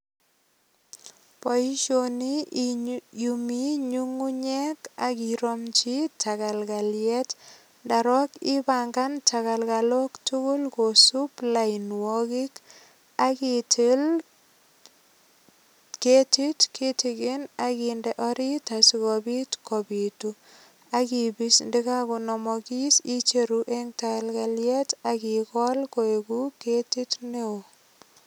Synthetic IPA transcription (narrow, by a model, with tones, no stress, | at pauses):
pɔi˦ʃoni | jumi˦ɲuŋu˦ɲɛ˦ka˨kiɾomt͡ʃitʰaka˨lɡaljɛt | daɾɔ˦kɪ˦baŋɡa˦ntʰaka˨lkalo˦ktu˦kʊ˦lkosupla˨ɪnwɔki˦k | akitl | ke˦ti˦tki˦tiɡɪ˦na˨kindɛ˨ʔɔ˦ɾi˦ta˨sikɔbi˦tkɔ˨bi˨tu | a˦ki˨bi˦sndɪ˦ka˦ku˨nɔ˨mɔki˦si˦t͡ʃe˨ɾuʔe˦ŋta˨ka˨lɡa˨ljɛ˦ta˨kikɔ˦lko˨e˨ɡu˦ke˦ti˦tne˦o˨